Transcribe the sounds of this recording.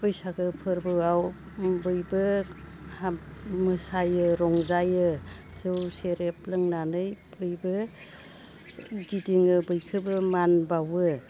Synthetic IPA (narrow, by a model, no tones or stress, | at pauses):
pɯjsaɡɯpʰɯɾbɯaw | bɯjbɯ | hamɯsajɯɾɔŋzajɯ | sɯwseɾep̚lɯŋnanɯjbɯjbɯ | ɡidiŋɯbɯjkʰɯbɯmanbawɯ